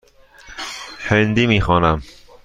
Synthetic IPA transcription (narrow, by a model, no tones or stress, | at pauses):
hend̪imixɔːnam